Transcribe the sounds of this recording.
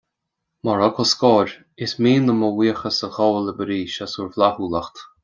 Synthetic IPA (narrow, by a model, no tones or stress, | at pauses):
mɔɹɔkʰɔskɔːɾ | ɪsmiːnəmɔwiːəxəsəxɔːləbəɾiːʃasuɹvlahuːlaxt̪